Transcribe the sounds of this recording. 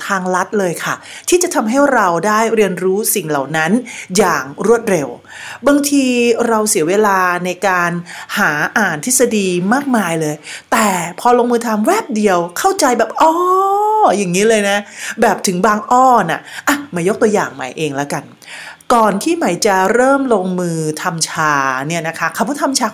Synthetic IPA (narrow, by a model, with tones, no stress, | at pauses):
t̪ʰaː˧ŋla˦˥t̪̚lɤː˧jkʰa˥˩t̪ʰiː˥˩t͡ɕa˨˩t̪ʰa˧mɦa˥˩jɾa˧wdaː˥˩jɾi˧ənɾuː˦˥si˨˩ŋla̰˨˩wna˦˥njaː˨˩ŋɾu˥˩ət̪̚ɾe˧w | ba˧ŋt̪ʰiː˧ɾa˧wsi˨˩˦weː˧laː˧na˧jkaː˧nhaː˩˦ʔaː˨˩nt̪ʰt̪̚sa˧diː˧maː˥˩k̚maː˧jlɤː˧jt̪ɛː˨˩pʰɔː˧loː˧ŋmɯː˧t̪ʰa˧mwɛː˥˩p̚di˧əwkʰa˥˩wt͡ɕa˧jbɛː˨˩p̚ʔɔː˧˩ja˨˩ŋːiː˦˥lɤː˧jna˦˥bɛː˨˩p̚t̪ʰɯ˩˦ŋbaː˧ŋʔɔː˥˩na̰˨˩ʔa˧˩ma˧˩jo˦˥k̚t̪u˧əjaː˨˩ŋma̰˨˦˩jʔeː˧ŋlɛ˦˥ka˧n | kɔː˨˩nt̪ʰiː˥˩ma˦˩˥jt͡ɕa˨˩ɾɤː˥˩mloː˧ŋmɯː˧t̪ʰa˧mt͡ɕʰaː˧ni˥˩ɐna˦˥kʰa˦˥kʰa˧˩mkɔː˥˩t̪ʰa˧mt͡ɕʰaː˧